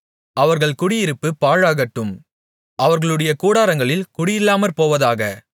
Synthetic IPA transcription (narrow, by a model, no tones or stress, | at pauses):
ɐʋɐɾɣɐɭkʊɽɪjɪɾɯpːɯpaːɻaːɣɐʈːɯm | ʔɐʋɐɾɣɐɭɯɽɐjɐkuːɽaːɾɐŋɡɐɭɪlkʊɽɪjɪlːaːmɐɾpoːʋɐðaːɣɐ